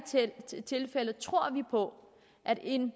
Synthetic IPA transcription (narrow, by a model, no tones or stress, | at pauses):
t͡sʰe̝lfelət͡sʰʁo̝ɐ̰ʋipʰɒ̽ | ʔæd̥e̝n